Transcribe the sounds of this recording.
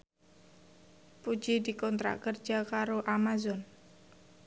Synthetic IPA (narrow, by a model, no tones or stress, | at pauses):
pu̥d͡ʒidikɔnt̪ɾa̰kərd͡ʒakaɾoʔamazɔn